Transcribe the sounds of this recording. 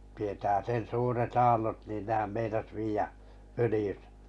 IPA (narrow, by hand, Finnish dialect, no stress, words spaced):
tietæː sen suːret ɑːlːot niˑn nehæm meinɑs ʋiæ følĭjẙsæ̥